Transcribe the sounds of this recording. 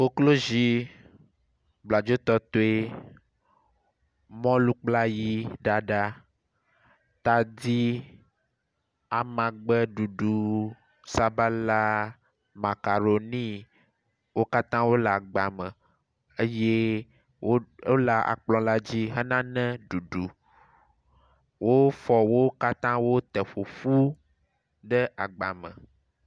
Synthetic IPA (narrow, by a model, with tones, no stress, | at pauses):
wo˦klo˦zi˦ | bla˨d͡ʒo˦t̪ɔ˦t̪o˦e˦ | mɔ̃˦lu˦k͡pla˦ji˦ɖa˨ɖa˦ | t̪a˨di˦ | a˨mã˨ɡ͡bɛ˦ɖu˨ɖu˨ | sa˦ba˦la˦ | mã˨ka˨ɾo˨nĩ˦ | wo˦ka˦t̪ã˦wo˦la˨ɡ͡ba˨mə̃˨ | e˦je˦ | wo˦o˦la˨ʔa̰˨k͡plɔ̃˨la˦d͡ʑi˦ɦɛ˦nã˦nɛ̃˦ɖu˨ɖu˨ | wo˦fɔ˨wo˦ka˦t̪ã˦wo˦t̪ɛ˨ɸu˨fu˦ | ɖə˦ʔa˨ɡ͡ba˨mə̰̃˨